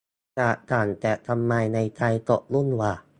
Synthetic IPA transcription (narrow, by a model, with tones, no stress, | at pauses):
ka˨˧˩taː˨˩nt̪ɛ˨˩t̪ʰa˧mːaː˧jna˧jt̪a˧jt̪o˨˩ʔ̚lu˥˩˨nwaː˧˩